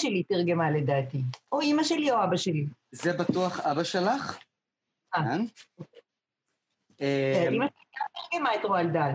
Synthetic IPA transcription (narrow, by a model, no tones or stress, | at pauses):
ʃelit̪iʁɡemaled̪aːt̪iʔoimaʃelioabaʃelizebat̪uaχabaʃelaχ | anoke | eimaʃeliat̪eʁɡemaet̪ʁoald̪al